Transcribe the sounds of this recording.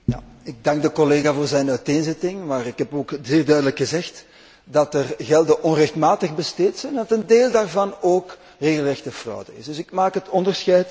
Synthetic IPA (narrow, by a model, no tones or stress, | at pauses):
ja̰ɪɡ̚dɑŋɡ̚dəkɔleːɣaːvoːrzɛjnœɥteːnzɪtɪŋmaːrɪkɦɛpoːkzeːrdœɥdələkxəzɛxt | dɑtərɣɛlˠdəʔɔnrɛxtmaːtəxbəsteːtsɛjnɛndɑtəndeːlˠdaːrvɑnoːk | reːɣəlˠrɛxtəvrɔ̰wdəɪ̰sdɵsɪkmaːkɦətɔndərsxɛjt